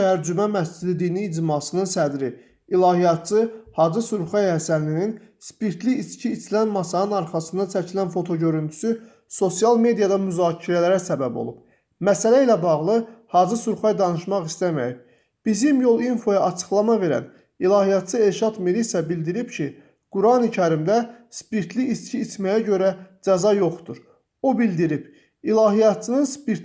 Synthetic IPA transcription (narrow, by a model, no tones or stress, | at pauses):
æɾd͡ʒymæmæsd͡ʒid̪id̪iniːd͡ʒmɑsɯnɯnsæd̪ɾi | ilˠɑɦijɑt̪̚t͡ʃʰɯhɑd͡ʒɯsuɾχɑjhæsænlinin | spiɾt̪ʰliːt͡ʃcʰiːt͡ʃlænmɑsɑnɯnɑɾχɑsɯnd̪ɑt͡ʃʰæcʰilænfo̞t̪ʰo̞ɟø̞ɾynt̪ʰy̥sy | so̞sijɑlˠme̞d̪ijɑd̪ɑmyzɑːcʰiɾælæɾæsæbæbo̞̰lˠub̥̚ | mæsælæilæbɑʁlˠɯhɑːd͡ʒɯsuɾχɑjd̪ɑnɯʃmɑχist̪æmæ̰jib̚ | b̥izimjo̞lˠinfo̞jɑʔɑt͡ʃʰɯ̥χlˠɑmɑve̞ɾæ̰n | ilˠɑɦijɑt̪t͡ʃʰɯe̞lʃɑd̪miɾisæbild̪iɾibcʰi | ɡ̥uɾɑnicʰæɾimd̪æspiɾt̪ʰliːscʰiːt͡ʃ̪mæjæɟø̞ɾæd͡ʒæzɑjo̞χt̪uɾ | o̞bild̪iɾib | ilˠɑːɦijɑt̪̚t͡ʃʰɯnɯnspiɾ